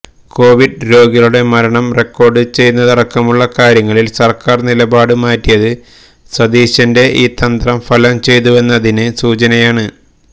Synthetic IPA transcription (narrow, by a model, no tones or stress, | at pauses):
ko̞ːʋiɖɾo̞ːɡiɐluɽe̞mɐɾɐɳɐmre̞kːo̞ːrɖɨt͡ɕe̞jnːɐðɐɽɐkːɐmuɭːɐkaːɾjɐŋːɐɭilsɐrkaːrnilɐbaːɽɨmaːtːijɐðɨ | swɐd̪iːɕɐnde̞ʔiːt̪ɐnd̪rɐmfɐlɐmt͡ɕe̞jt̪̬uʋe̞nːɐðinɨsuːt͡ɕɐnɐjaːɳɨ